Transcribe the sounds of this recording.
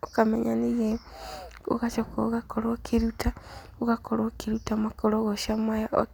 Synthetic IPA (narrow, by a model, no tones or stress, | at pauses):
okameɲanije | ṵɣat͡ʃokoɣakoɾokʰiɾuta | uɣakoɾokiɾutamakoloɣoʃamwajao̰